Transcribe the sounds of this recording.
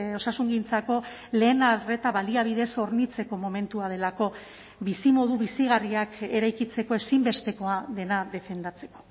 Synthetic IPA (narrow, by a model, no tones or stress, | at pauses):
o̞sasuŋɡint͡sako̞ | le̞ːnare̞t̪aβaliaβ̞iðe̞so̞ɾnit͡se̞ko̞mo̞me̞nt̪uað̞e̞lako̞ | βisimo̞ð̞uβisiɣ̞ariake̞ɾajkit͡se̞ko̞e̞simbe̞st̪e̞ko̞aðe̞naðe̞fe̞nd̪at͡se̞ko̞̥